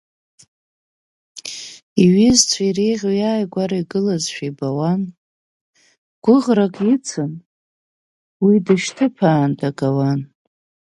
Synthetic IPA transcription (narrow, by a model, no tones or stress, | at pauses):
iɥɪzt͡sʷʰaiɾejʁʲjaːjɡʷaɾaiɡɨlazʃᶣabawan | ɡ̥ʷʊʁrakʼɪt͡sʰɨn | widɨʃtʰɨpʰaːndaɡʼawan